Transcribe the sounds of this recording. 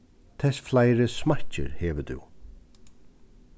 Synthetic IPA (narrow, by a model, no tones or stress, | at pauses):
t̪ʰɛsflajɾəsmacə̰ɾhɛːʋəd̪ṵ